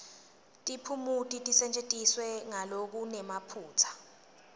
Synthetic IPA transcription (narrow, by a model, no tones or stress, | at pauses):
tʼipʰumutʼitʼisɛnt͡ʃʼetʼiswɛŋalok̬unɛmapʰuːt͡sʰḁ